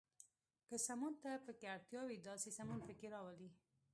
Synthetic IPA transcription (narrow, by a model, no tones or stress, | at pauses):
kəsamunt̪apəkeaɽt̪jɑwid̪ɑsesamunpəkeɾɑwəli